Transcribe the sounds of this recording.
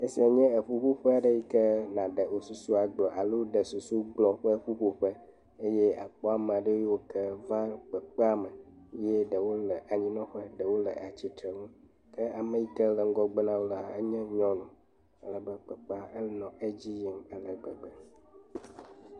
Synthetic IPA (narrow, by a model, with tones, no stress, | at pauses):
e˦si˦a˨ɲɛ̃˦ə˨ɸu˦ɸu˦ɸɛ˦a˨ɖə˦ji˦kɛ˦nã˨ɖə˨wo˨su˨su˦a˨ɡ͡blɔ˨ʔa˨lo˦ɖə˨su˨su˦ɡ͡blɔ˨ɸə˦ɸu˦ɸu˦ɸə˦ | e˦jɛ˦a̰˨k͡pɔ˦a˨mə̃˨a˨ɖe˦e˦wo˦kə˦vã˦k͡pə˨k͡pa˦˨mə˨˦jɛ˦ɖə˨wo˦lə˨ʔa˨ɲĩ˦nɔ̃˦ɸə˦ɖə˨wo˦lə̰˨a˨t͡ɕi˦t̪ɾə˨ŋũ˦ | kə˦a˨mə˨ji˦kə˦lə˨ŋ̩˦ɡɔ˦ɡ͡bə˦nã˦wo˦la˨ə̰˦ɲɛ̃˦ɲɔ̃˦nũ˨ | ə˦lə˨bə˦k͡pə˨k͡pa˦ə˦nɔ̃˨ʔə˦d͡ʑi˦ji˨mə˦lə˨ɡ͡bə̰˨ɡ͡bə˨